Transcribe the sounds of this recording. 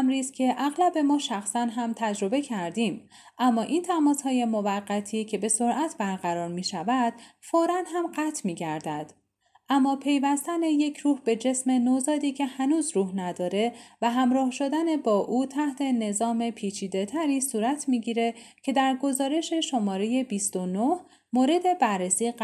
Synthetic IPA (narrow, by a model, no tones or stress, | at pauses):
mɾiːzcʲʰe̞ʔæɣlæbe̞mɒːʃæxsænɦæmt̪ʰæd͡ʒɾo̞be̞cʰæɾd̪iːm | ʔæmːɒːʔiːnt̪ʰæmɒːshɒːje̞movæɢːæt̪ʰiːcʰe̞be̞so̞ɾʔæt̪ʰbæɾɣæɾɒːɾmiːʃævæd̪̥foːɾænɦæmɢæːt̪ʰmiːɟæɾd̪æd̪̥ | ʔæmːɒːpʰe̞jvæst̪æne̞je̞cʰɾuːhbe̞d͡ʒe̞sme̞nozɒːd̪iːcʰe̞hænuːzɾuːhnæd̪ɒːɾe̞væɦæmɾɒːhʃo̞d̪æne̞bɒːʔuːt̪ʰæht̪ʰe̞ne̞zɒːme̞pʰiːt͡ʃʰiːd̪e̞t̪ʰæɾiːsuːɾæt̪ʰmiːɟiːɾe̞cʰe̞d̪æɾɡo̞zɒːɾe̞ʃe̞ʃo̞mɒːɾe̞je̞bist̪onoh | moːɾe̞d̪e̞bæɾːesiː